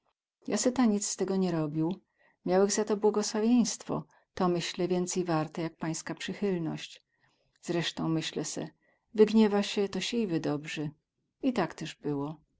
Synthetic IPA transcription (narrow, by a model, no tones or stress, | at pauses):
ja̰sɛt̪aɲit̪sst̪ɛɡɔɲɛɾɔbʲiw | mʲjawɛɣzat̪ɔbwɔɡɔswavʲjej̃st̪fɔ̰ | t̪ɔmɘɕlɛvʲjɛnt̪sɛjvaɾt̪ɛjak̚paj̃skapʂɘxɘlnɔ̰ɕt͡ɕ | z̥ɾɛʂt̪ɔ̃w̃mɘɕlɛsɛ̰ | vɘɡɲɛvaɕɛt̪ɔɕɛivɘd̪ɔbʐɘ | it̪akt̪ɛʐbɘwɔ